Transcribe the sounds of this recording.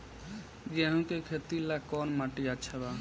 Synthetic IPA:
ɡɛɦũkekʰet̪ilakɔnmaʈiat͡ʃʰɛβa

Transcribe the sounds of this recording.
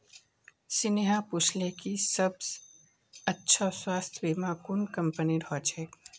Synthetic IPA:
sɪneɦaput͡ʃʰlekisəbs | ətːʃʰaswaːst̪ʰbimãkʊɳkəmpəniɾʱɔːt͡ʃʰe

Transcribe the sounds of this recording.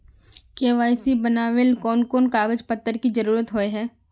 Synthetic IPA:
keːʋaːjsibɐnaːʋelkɔːnkoːnkaːɡəd͡ʒpɐt̪ːəɾkid͡ʒɐɾuːɾət̪ɦoeɦɛː

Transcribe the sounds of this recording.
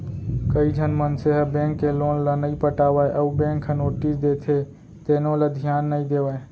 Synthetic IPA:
kəid͡ʒʱənmənseɦəbẽːŋkːeloːnlənəipəʈaːʋajʔəubẽːŋkʰənoːʈisd̪et̪ʰe | t̪enõləd̪ʱijaːnːəĩd̪eːʋae

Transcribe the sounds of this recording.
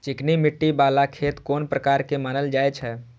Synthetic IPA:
t͡ʃɪknimɪʈːibaːlakʰeːt̪koːnpɾəkaːɾkemaːnəld͡ʒaːet͡ʃʰɛ

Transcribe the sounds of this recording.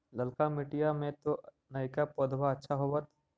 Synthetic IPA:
lɐlkamɪʈijamẽt̪o | nɐikapoːd̪ʱbaɐtːʃʰaɦoʋət̪

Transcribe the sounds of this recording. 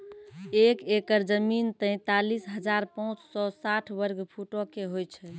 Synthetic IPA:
ekekəɾd͡ʒəmint̪ə̃ɪ̃t̪alisɦəd͡ʒaɾpɔ̃ũt͡ʃsɔsaʈʰbəɾɡpʰuʈokeɦojt͡ʃʰɛ

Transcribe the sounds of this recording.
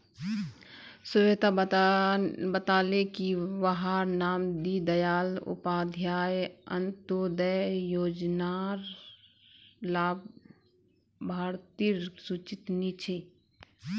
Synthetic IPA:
sʊʋet̪a | bət̪aːlekiwəɦaːɾnaːmd̪id̪əjaːlʊ̰paːd̪ʱjaːjə̰nt̪od̪əjoːd͡ʒnaːɾ | laːb | bʱaːɾt̪iɾsut͡ʃɪt̪nit͡ʃʰe

